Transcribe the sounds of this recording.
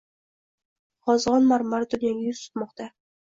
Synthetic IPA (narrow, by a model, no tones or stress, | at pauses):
qɒzʁɒnmaɾmaɾd̪ʊnjaɡʲajʊz̥t̪ʰʊ̥t̪mɒqt̪a